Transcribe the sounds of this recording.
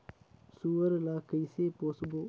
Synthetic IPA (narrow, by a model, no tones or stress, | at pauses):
suəɾlakəjsepoːsbo